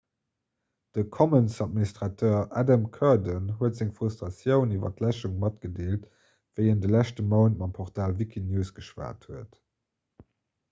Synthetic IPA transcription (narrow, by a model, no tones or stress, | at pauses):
d̥əkʰɔmənsɑt̚ministʁɑtʰøːʔædəmkʰœɐdənɦuətzæŋfʁustʁɑsjəʊnivɐ̰tlæʃuŋmɑt̚ɡ̥ədeːlt | v̥əɪəndəlæɕtəmɑʊntmɑmpʰɔʁtaːlvikʰinjuːsɡ̥əʃva̰ːthuət